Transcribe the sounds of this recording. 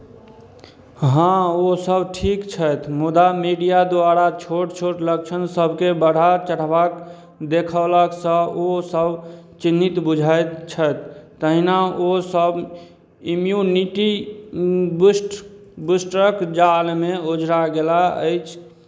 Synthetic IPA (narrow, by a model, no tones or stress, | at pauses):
ɦãosəbʱʈʰikt͡ʃʰət̪ʰmud̪amiɖijad̪oaɾat͡ʃʰoʈt͡ʃʰoʈlək̚t͡ʃʰənsəbʱkebəɽ̤ʱat͡ʃəɽ̤bak | d̪ekʰəlaksə̃osəbt͡ʃinːit̪bud͡ʒʱajt̪t͡ʃʰət̪ʰː | əɦinaosəb | imjuniʈi | bsʈbusʈɾəkd͡ʒalmeod͡ʒɾaɡelaə̰jt͡ʃʰ